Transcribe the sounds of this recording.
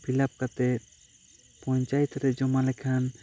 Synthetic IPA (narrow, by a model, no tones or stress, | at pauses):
pʰilap̚kat̪ɛt̪̚ | pɔ̃ɲt͡ʃajt̪ɾɛd͡ʒɔmalɛkʰan